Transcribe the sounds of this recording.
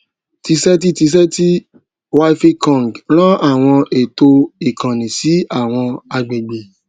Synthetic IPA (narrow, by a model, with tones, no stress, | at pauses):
ti˧sɛ˦t̬i˦ti˧s̬ɛ˦ti˦ | wa˦i˦fe˦kɔ̃˦˨ŋɡl̃ã˦ʔa˦˨w̃ɔ̃˧e˨to˧i˨kã˨nĩ˨si˨˦a˦˨w̃ɔ̃˧a˧ɡ͡be˨ɡ͡be˨